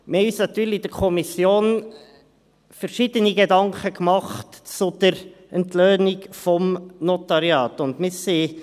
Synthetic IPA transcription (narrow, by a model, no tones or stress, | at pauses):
mɪhɛɪyːsnɑt̪yːɾlid̥əkʰɔmisjoːn | fəɾʃid̥əniɡedɑŋkχəkmɑχtt͡sʊd̪̥əɾ | ɛntløːnikfɔmnɔt̪ɑɾjɑːtʊndmɪsi